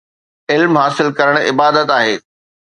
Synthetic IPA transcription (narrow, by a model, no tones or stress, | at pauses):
ɪlmɦaːsɪlkɐɾəɽ̃ɪbaːd̪ət̪aːɦeː